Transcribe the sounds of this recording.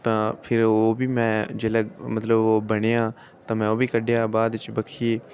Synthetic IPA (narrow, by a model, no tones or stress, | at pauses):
t̪ãːpʰɪɾoːbiːmɛ̃ːd͡ʒeləɡmət̪ləboːbəɽ̃eːãː | t̪ãːmɛ̃ːoːbiːkəɖejaːbaːd̪t͡ʃbəkʰiː